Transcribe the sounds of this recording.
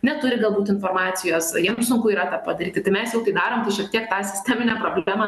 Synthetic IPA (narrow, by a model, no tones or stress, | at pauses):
nʲɛt̪ʊɾʲɪɡɐlˠbuːt̪ɪnfoːrmɑːt͡s̪ʲɪjoːsjiɛmsʊŋkʊiːɾɐt̪ɑːppɐd̪ɐɾʲiːtʲɪt̪ɐɪmʲɛsjɛʊt̪ɐɪd̪ɑːɾoːmt̪ɐɪʃʲɐkt̪ʲiɛkt̪ɑːsʲɪ̥sʲt̪ʲɛːmʲɪnʲæpɾoːbʲlʲæːmɑ